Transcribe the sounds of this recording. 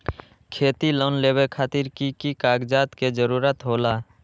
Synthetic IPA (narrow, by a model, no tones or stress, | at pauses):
kʰeːt̪iloːnleːbekʰaːt̪ɪɾkikikaːɡd͡ʒaːt̪ked͡ʒəɾuːɾət̪ɦoːlaː